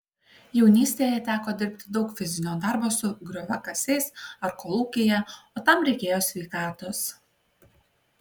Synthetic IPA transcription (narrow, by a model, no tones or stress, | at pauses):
jɛʊnʲiːsʲt̪ʲeːjɛt̪ʲæːkoːd̪ʲɪɾʲpʲt̪ʲɪd̪ɒʊkfʲɪzʲɪnʲoːd̪ɑˑɾboːsʊɡɾʲoʋʲɐkɐsʲɛɪsɐɾkolˠuːkʲejɛoːt̪ɐmɾʲɛɪkʲeːjoːsʲʋʲɛɪkɑːt̪ʊs